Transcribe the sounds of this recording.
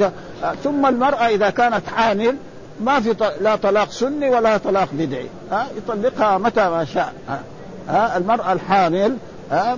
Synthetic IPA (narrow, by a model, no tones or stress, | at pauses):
a | θʊmːalmɑɾˤʔaʔɪðakaːnat̪ʕaːmɪl | mafit̪lat̪ˤɑlɑːqsʊnːiwalat̪ˤɑlɑːqbɪd̪ʕḭ | ajt̪ˤɑlːɪqhamat̪amaːʃaːʔa | haalmɑɾˤʔalħaːmɪl | a